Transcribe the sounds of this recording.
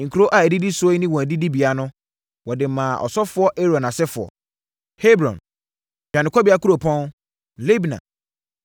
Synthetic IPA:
ŋ̩˨kʰu˨ɾo˦ʔa˨æ˨di˦di˦sʊ˦ɔ˦nɪ̃˦wɔ̃˨æ˨di˦di˦bi˨a˦nʊ̃˦ | wɔ˨dɪ˨mã˨ʔɔ̰˨sɔ˦fʊ˦ɔ˦ʔe˦ɾɔ˨nã˨sɛ˦fʊ˨ɔ̰˨ | he˦bɾɔ̰̃˨n | d͡ʑᶣã˨nɪ̃˨kʰɔ˦bi˨˦a˦ku˦ɾo˨pʰɔ̃˦n˨ | le˦bi˨nã̰˨

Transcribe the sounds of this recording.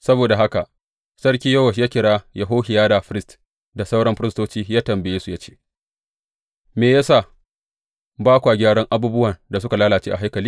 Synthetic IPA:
sɐ˦boː˨da˨ɦa˦ka˨ʔ | sɐ˦ɽkʲiː˦jɐ˦wɐ˨ʃjaː˦kʲɪ˨ɽaː˦jɐ˨ɦoː˦ɦɪ˨jaː˦da˨ɸɪ˦ɾɪ˦st | da˨sɐ˦wɽɐ˦mɸɪ˦ɾɪ˦stoː˦t͡ʃiː˦jaː˦tɐ˨mbɐ˨jeː˦su˨ja˦t͡ʃe̥ː˦ | meː˨ja˦sa˦˨ | baː˦kʷa˨ɡʲaː˦ɽɐ˦ŋʔa˦buː˦bʊ˦wɐ˨nda˨sʊ˦ka˨laː˦laː˨t͡ʃeː˦ʔa˨ɦa˦jkɐ˨liː˦

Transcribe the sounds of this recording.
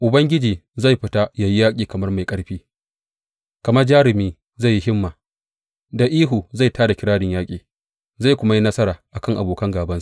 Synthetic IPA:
ʔʊ˨bɐ˦ŋɡʲɪ˦d͡ʒiː˨za˦˨jɸɪ˦ta˦ja˨ji˦jaː˦kʲʼiː˨kɐ˨mɐ˦rma˨jkʼɐ˦ɽɸiː˦ | kɐ˨mɐ˦rd͡ʒaː˦ɾɪ˨miː˦ | za˦˨jːi˦ɦɪ˦mːaː˨ | da˨ʔiː˦ɦuː˨za˦˨jtʰaː˦da˨kʲɪ˦ɽaː˦dɪ˨ɲjaː˦kʲʼiː˨ | za˦˨jkʷʊ˦ma˦ji˦nɐ˦sɐ˦ɾaː˨ʔa˨kɐ˦ŋʔa̰˨boː˨kɐ˦ŋɡaː˨bɐ˦nsu˦˨

